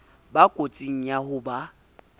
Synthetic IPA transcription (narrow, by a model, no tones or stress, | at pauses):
bakʼot͡sʼiŋ̩jahʊba